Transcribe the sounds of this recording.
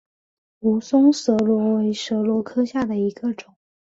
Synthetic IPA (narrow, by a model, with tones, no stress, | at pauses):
u˧˥sʊ˥ŋsɤ˧˥lwɔ˧˥we˧˥ɪʂɤ˧˥lwɔ˧˥kʰɤ˥ɕja˥˩d̪ə˩i˧˥ɡ̥ə˧ʈ͡ʂʊ˨˩˦